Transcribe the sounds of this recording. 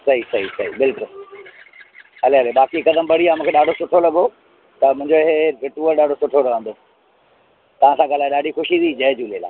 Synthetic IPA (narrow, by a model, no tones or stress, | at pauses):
sɐɦisɐɦisɐɦḭbɪlkʊl | ɦɐleɦɐlebaːkikɐd̪əmbɐɽiaːmũːkʰeɗaːɖʱosʊʈʰolɐɡo | t̪ɐmʊ̃ɪ̃ɲd͡ʑoɪɦeɾɪʈuːəɾɗaːɖʱosʊʈʰoɾɐʋə̃nd̪o | t̪ɐʋ̤ãsãɠaːlaːeɗaːɖʱixʊʃid̪id͡ʑɐɦd͡ʑuːlela̰ː